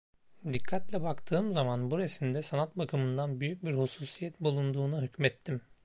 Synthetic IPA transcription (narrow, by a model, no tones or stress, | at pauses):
d̪ikʰːat̪lʲɛbakt̪ʰɯːmzamanbuɾesimd̪ɛsanat̪̚bakʰɯmɯnd̪anbyjyc̚biɾhusuːsijɛt̪bulˠund̪uːnuɦycmɛt̪ʰːim